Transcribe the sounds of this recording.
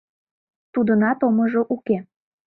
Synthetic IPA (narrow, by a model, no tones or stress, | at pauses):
t̪ud̪ənɑt̪omoʒoʔuke